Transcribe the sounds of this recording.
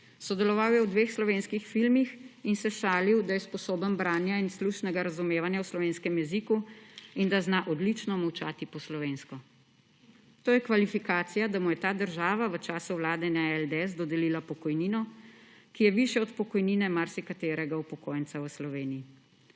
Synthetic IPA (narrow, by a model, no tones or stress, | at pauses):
sɔd̪ɛlɔʋawjɛwd̪ʋeːxslɔʋeːnskixfilmixinsɛʃaːliwd̪ajɛspɔsoːbənbɾaːnjainsluʃnɛɡaɾazumeːʋanjawslɔʋeːnskɛmjɛzikuind̪aznaʔɔd̪lit͡ʃnɔmɐwt͡ʃaːt̪ipɔslɔʋeːnskɔ | t̪oːjɛkʋalifikaːt̪sijad̪amujɛt̪aːd̪əɾʒaːʋaʋət͡ʃaːsuʋlaːd̪ɛnaɛld̪ɛzd̪ɔd̪ɛliːlapɔkɔjniːnɔkijɛʋiʃjɛɔt̪pɔkɔjniːnɛmaɾsikat̪eːɾɛɡaupɔkoːjənsawəslɔʋeːnii